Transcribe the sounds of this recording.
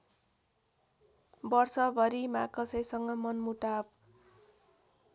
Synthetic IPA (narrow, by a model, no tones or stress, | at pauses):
bʌrsʌbʱʌɾimakʌsʌjsʌŋɡʌmʌnmuʈab̚